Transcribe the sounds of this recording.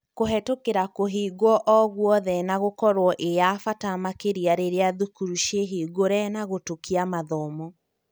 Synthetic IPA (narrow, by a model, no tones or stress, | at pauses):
koɦɛtokeɾakoɦiɡɔʔɔɣwɔðɛnaɣokɔɾwɔʔejafatamakeɾiaɾeɾeaðukuɾuʃeɦiːɡoɾɛnaɣotokiamaðɔmɔ